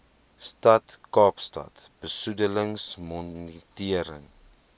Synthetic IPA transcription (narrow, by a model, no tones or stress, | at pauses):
stɐtkɑːpstɐ̰tb̥əsudələŋsmɔntiəɾə̰ŋ